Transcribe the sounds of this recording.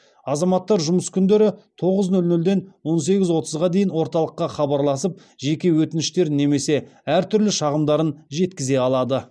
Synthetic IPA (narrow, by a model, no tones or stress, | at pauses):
ɑzɑmɑt̪ːɑɾʒʊməskʲʰʏnd̪e̞ɾɪt̪ʰo̞ʁəznɵlnɵld̪e̞nwo̞ns̬e̞ɡʲɪzwo̞t̪əzʁɑd̪e̞jɪnwo̞ɾt̪ɑlˠəqːɑχɑbɑɾlˠɑsəp̚ | ʒe̞kʲe̞wɵt̪ɪnɪʃt̪e̞ɾne̞me̞se̞æɾt̪ʰʏɾlɪʃɑʁəmd̪ɑɾənʒe̞t̪kʲɪze̞ɑlˠɑd̪ə